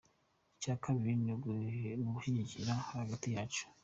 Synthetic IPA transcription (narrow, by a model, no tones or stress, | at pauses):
icaːkʰaβiɾiniɡnoɡuʃiɲiciɾahaɾaɡatijaːt͡ʃu̥